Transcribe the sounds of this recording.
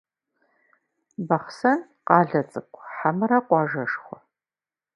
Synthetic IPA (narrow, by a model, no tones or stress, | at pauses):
bɐχsɐn | qɑːɮɐt͡sʼɨkʷʰʼħamɨɾɐqʷɑːʒɐʂχʷɔ